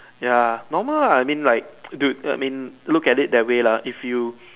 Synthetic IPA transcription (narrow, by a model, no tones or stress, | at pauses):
janɔməlaajmĩnlaɪk̚duda̰ɪmĩnlukɛtɪt̚dɛwelaifju